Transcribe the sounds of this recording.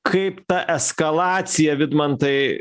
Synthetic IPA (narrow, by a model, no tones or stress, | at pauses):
kʰɐɪpt̪ɐʔɛskɐlˠɑːt̪sʲɪjɛʋʲɪd̪mɐnt̪ɐɪ